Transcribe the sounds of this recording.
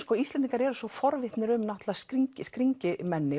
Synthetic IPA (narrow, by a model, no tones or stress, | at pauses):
skɔist̪lɛnt̪iŋkaɾɛɾʏsɔfɔɾvɪht̪nɪɾʏmnaht̪laskɾiɲcɪskɾiɲcɪmɛnːɪ